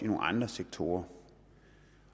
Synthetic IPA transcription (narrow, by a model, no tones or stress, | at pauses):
ino̝ːŋ̩̰ɑ̈nd̥ʁɐseɡ̥̚t͡sʰo̝ːɐ